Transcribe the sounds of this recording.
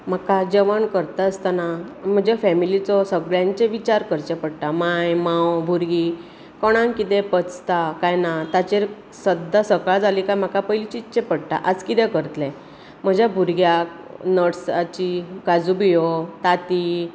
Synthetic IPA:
m̤akad͡ʑəʋənkəɾt̪aəst̪anam̤əd͡ʑafɛmilit͡sɔsəɡɭjãɲt͡ɕeʋit͡ɕaɾkəɾt͡ɕepəɽt̪amajmãwbʱuɾɡi | kɔɽ̃ãŋkit̪ɛ̃pət͡st̪akajnat̪at͡ɕeɾ | səd̪ʱːasəkad͡zalikajm̤akapəjlit͡ɕitːt͡ɕepəɽt̪a̰ʔəd͡zkit̪ɛ̃kəɾt̪lɛ̃ | m̤əd͡ʑʱjabʱuɾɡjak̚ | nəɽsat͡ɕiɡad͡zubijɔt̪at̪i

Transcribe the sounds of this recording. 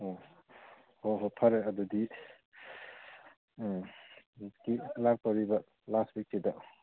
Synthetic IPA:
o | hoɦopʰaɾeɐdudi | kilak̚pawɾibɐ | lastwik̚sidɐ

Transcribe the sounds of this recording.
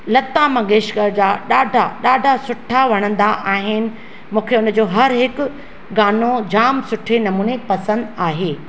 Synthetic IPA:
lɐt̪amɐ̃ɡeːʃɡəɾd͡ʑaːɗaːɖʱaɗaːɖʱasʊʈʰaʋɐɽ̃ə̃nd̪aʔaːɦɪnɪ̆ | mũːkʰeʊnə̆d͡ʑoːɦɐɾɦɪkʊ̆ | ɡaːnod͡ʑaːmsʊʈʰenɐmũːnepɐsə̃nd̪aːɦeː

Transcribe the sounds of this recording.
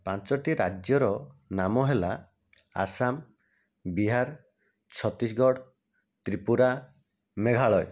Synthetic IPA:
pãnt͡ʃɔʈiɾad͡ʒjɔɾɔnamɔɦela | a̰sam | biɦaɾ | t͡ʃʰɔt̪isɡɔɽ | t̪ɾipuɾa | meɡʱaɭɔj

